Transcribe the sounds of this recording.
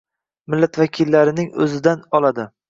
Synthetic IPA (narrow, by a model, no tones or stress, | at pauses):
mɪlːat̪vakʲʰɪlːaɾɪnɪŋɵ̰zɪd̪anɒlˠad̪ɪ